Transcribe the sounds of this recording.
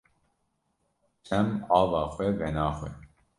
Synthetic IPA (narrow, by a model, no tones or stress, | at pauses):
t͡ʃʰɛmɑːvɑːxʷwɛvɛnɑːxwɛ̰